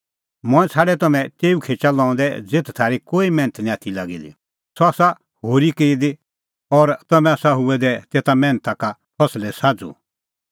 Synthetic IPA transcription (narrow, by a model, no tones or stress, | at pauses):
mɔ̃ɛ̃t͡sʰaːɖɛt̪ɐmɛ̃t̪eːukʰeːt͡ʃalɔ̃ːʊ̃nd̪ɛd͡zeːt̪ʰt̪ʰaːɾikoːimɛ̃ːnət̪ʰnĩat̪ʰilaːɡilḭ | sɔaːsa | hoːɾikeːid̪e | ɔɾt̪ɐmɛ̃aːsaɦʊɛd̪ɛt̪eːt̪amɛ̃ːnət̪aka | pʰɐslɛsaːd͡zṵ